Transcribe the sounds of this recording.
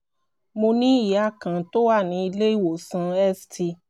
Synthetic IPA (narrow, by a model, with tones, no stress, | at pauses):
mo˧nĩ˦i˨ja˦˨kã˨to˦wa˦˨nĩ˧˦i˧le˦i˦˨wo˨sã˧ɛ˦sti˧